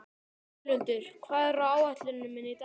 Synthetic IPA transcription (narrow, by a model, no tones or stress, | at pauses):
lʏnt̪ɪɾ̥kʰvaːðɪrawawat̪lɪnːɪmːɪnit̪